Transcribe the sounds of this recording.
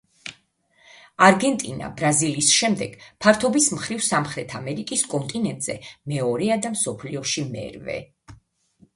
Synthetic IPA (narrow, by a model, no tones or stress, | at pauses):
aɾɡɛnt̪ʼina̰bɾaziliːsʃɛmd̪ɛɡ̥pʰaɾt̪ʰɔbismχɾivsamχɾɛt̪ʰamɛɾikʼiskʼɔnt̪ʼinɛnt̪ʼz̥ɛmɛɔɾɛad̪amsɔpʰliɔʃimɛ̰ɾvɛ̰